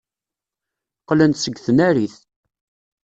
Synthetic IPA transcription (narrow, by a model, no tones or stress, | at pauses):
qlænt̪səɡːθənæɾiθ